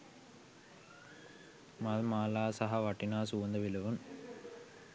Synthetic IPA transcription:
mɐðmaːlaːsɐɦɐʋɐʈːinaːsuʋɐnd̪ɐʋilɐʋun

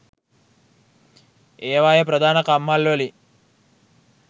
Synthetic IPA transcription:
eːʋaːjɐp̬ɾɐd̪ʱaːnɐkamːalʋɐli

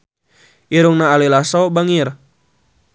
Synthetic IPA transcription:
ʔiɾuŋnaːlilasɔbaŋir

